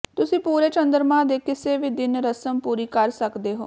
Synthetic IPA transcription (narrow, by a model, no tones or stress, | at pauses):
t̪ʊsĩːpuːɾeːt͡ʃə̃nd̪əɾmãːd̪eːkɪseːʋiːd̪ɪnɾəsəmpuːɾiːkəɾsəkd̪eːɦo̰ː